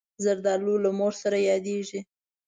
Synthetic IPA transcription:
zaɾd̪ɑlulamoɾsaɾajɑd̪eʒi

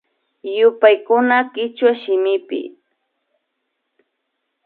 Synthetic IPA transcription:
jʊpajkʊnakɪt͡ʃwaʃɪmɪpɪ̰

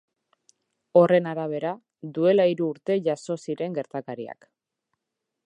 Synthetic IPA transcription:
o̞re̞naɾaβ̞e̞ɾa | d̪ue̞laiɾuːɾt̪e̞ʝaso̞siɾe̞ŋɡe̞ɾt̪akaɾia̰k

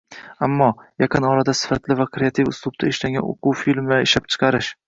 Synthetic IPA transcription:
amːɒjɑqʰɨnɒɾad̪asɪ̥fat̪lɪvakʰɾeat̪ʰifʊslˠʊb̚t̪ʰaeʃlaŋɡʲa̰no̰qʰuwfilmaeʃlap̚t͡ʃʰɨ̥qʰɑɾɪʃ

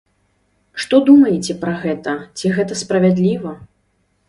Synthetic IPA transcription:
ʂt̪ɔd̪umɐjɛt͡sʲɛpɾɐɣɛt̪ɐt͡sʲiɣɛt̪ɐspɾɐvʲad̪lʲivɐ

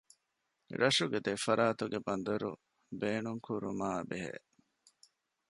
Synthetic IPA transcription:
ɾɐʂuɡed̪efɐɾʔaːt̪uɡebɐnd̪ɐɾṵ | beːnuŋkuɾumaːbeɦḛː

